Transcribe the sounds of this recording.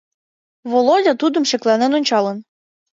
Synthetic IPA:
βolˠodʲɑt̪ud̪ə̆mʃɘklænenonʲt͡ɕɑlˠən

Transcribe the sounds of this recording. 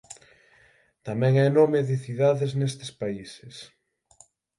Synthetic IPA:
t̪amɛ̃ŋɛnomeɪðɪθiðaðeznest̪e̥spaisɪs

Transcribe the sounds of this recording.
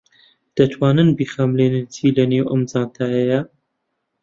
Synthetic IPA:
d̪̥ɐt̪ʰwaːnɨnbiːxaːmleːnɨnt͡ʃʰiːlɐneːwə̰md͡zaːnt̪ʰaːjɛjɐ

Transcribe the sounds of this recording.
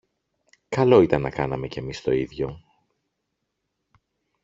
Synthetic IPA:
kɐlo̞it̪ɐnːɐkɐnɐme̞ce̞mist̪o̞iðʝo̞

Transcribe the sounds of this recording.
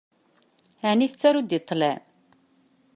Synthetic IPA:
æniθət͡sːæɾud̪it̪ˤːlæ

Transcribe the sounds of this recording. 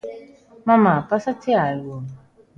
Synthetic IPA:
mamapasatʰɪajom

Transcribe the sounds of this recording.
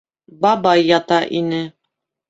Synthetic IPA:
bɑbɑjːɑt̪ɑʔinɘ

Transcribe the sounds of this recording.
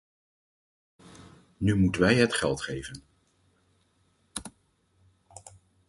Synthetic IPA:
nymutənʋɛjɦətχɛlˠtχejvən

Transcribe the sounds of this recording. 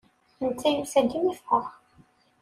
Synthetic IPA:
nt͡sːæjusæd̪imifqɑ

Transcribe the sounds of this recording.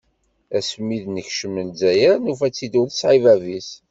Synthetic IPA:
æsmːiðnəçʃəmənzæjæɾnufæt͡sːid̪uðsʕivævis

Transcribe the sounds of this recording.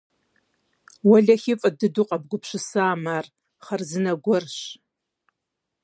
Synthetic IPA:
wɐɮɐxɪfʼɐdɨduqʼɐb̚ɡʷʊpɕɨsaːmaːr | χɐrzɨnɐɡʷɔrɕ

